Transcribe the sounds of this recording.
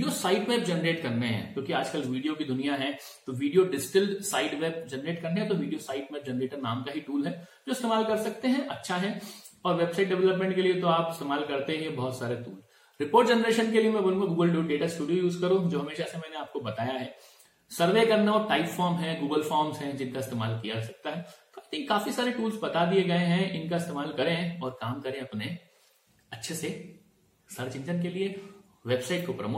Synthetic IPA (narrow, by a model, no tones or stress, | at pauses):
ijosaːɪʈmɛːp̚d͡ʒɛnəɾeːʈkɐɾneɦɛ̰̃ːkjõːkiaːd͡ʒkɐlʋiːɖijokid̪ʊnijaɦɛ̃ | t̪oʋiːɖijoɖɪsʈɪlɖsaːɪɖʋɛːb̚d͡ʒɛnɾeːʈkɐɾneɦɛ̃t̪oʋiːɖijosaːɪʈmɛːp̚d͡ʒɛnɾeːʈəɾna̰ːmkaɦiʈuːlɦɛd͡ʒoːɪst̪eːmaːlkɐɾsɐk̚t̪eɦɛ̃ʔɐtːʃʰaɦɛ̃ɔːɾʋeːbsaːɪʈ̚ɖɛʋɛləpmẽɳʈkeliet̪oaːpɪst̪eːmaːlkɐɾt̪eɦɛ̃bɔɦt̪saːɾet̪ṵːl | ɾɪpoːɾʈ̚d͡ʒɛnɾeːʃənkeliemɛ̃bolũkẽɡuːɡəlɖuːɖeːʈaɪsʈuːɖijojuːzkɐɾũd͡ʒoːɦɐmeːʃasemɛːneaːp̚kobɐt̪aːjaɦɛː | sɐɾʋekɐɾnaɔːɾʈaːɪpfɔːɾmɦɛ̃ɡuːɡəlfɔːɾmzɦɛ̃d͡ʒɪnkaɪst̪eːmaːlkijaɾɛsɐk̚t̪aɦɛt̪oaɪt̪ʰɪ̃ŋkːaːfisaːɾeʈuːlzbɐt̪ad̪ieɡɐeɦɛ̃ʔɪnkaɪst̪eːmaːlkɐɾẽɦɔːɾkaːmkɐɾẽɐpne | ɐtːʃʰese | səɾt͡ʃɪ̃nd͡ʒənkelie | ʋeːbsaːɪʈkopɾɐ̰moː